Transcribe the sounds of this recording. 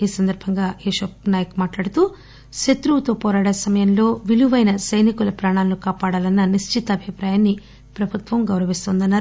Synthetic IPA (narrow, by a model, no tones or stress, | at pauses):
iːsɐnd̪ɐɾbʱɐŋɡaːeːʃɐp̚naːjɐkumaːʈlaːɽut̪uː | ʃet̪ɾuʋut̪oːpɔːɾaːɽɐsɐmɐjɐmlo̞ːʋiluʋɐjnɐsɐjnikulɐpɾaːɳaːlnukaːpaːɽaːlɐnːɐniʃt͡ʃit̪ɐːbʱipɾaːjaːnːi | pɾɐbʱut̪ʋɐmɡɐwɾɐʋist̪oːnd̪ɐnːaːɾu